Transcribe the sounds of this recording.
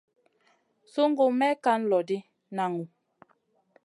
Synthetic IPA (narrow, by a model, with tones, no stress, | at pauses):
su˦ŋ˦ɡo˦˨mɛ˦ka˦n̩˦lɔ˨di˦ | na˨ŋu˨